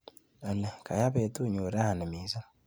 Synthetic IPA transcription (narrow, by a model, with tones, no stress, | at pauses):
ə˨lɛ˨ka˨ja˦bɛ˨˦tu˦˨ɲo˨ɾa˦ha˨nə˨mi˨˦za˦